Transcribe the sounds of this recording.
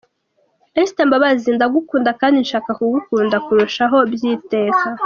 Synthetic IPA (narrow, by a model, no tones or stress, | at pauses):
estembaβaziːndaɡukuːndakaːndinʃaːkakuɡukuːndakuɾuʃaɦo̞bjiːte̞ːka